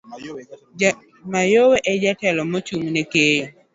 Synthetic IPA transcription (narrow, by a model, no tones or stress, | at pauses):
majoweʔɛd͡ʒatɛlɔmɔt͡ʃumnekejo